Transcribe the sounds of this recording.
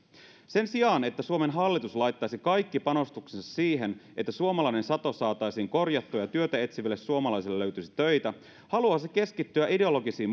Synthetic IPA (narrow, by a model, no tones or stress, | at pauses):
se̞nsiɑːne̞t̪ːæsuome̞nɦɑlːit̪uslɑjt̪ːɑjsikɑjkːipɑno̞st̪uksinsɑssiːɦenʔet̪ːæsuomɑlɑjne̞nsɑt̪o̞sɑːt̪ɑjsiːŋko̞rjɑt̪ːoːjɑt̪yøt̪æe̞t̪siʋælːessuomɑlɑjs̬elːløɥt̪ysi̥t̪ø̞jt̪æ | hɑluɑːseke̞skit̪ːyæʔide̞o̞lo̞ɡisiːm